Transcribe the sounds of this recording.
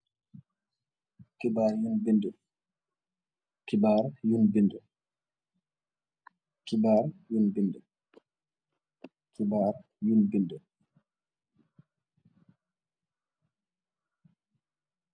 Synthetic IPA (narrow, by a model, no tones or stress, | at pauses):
kibaːɾjunbindɛ | kibaːɾjunbindɛ | kibaɾjunbindɛ | kibaːɾ | junbindɛ